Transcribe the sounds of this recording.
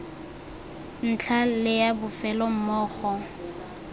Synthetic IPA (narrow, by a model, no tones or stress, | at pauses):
n̩t͡ɬʰalɪjabʊfɛlɔm̩mɔːχɔ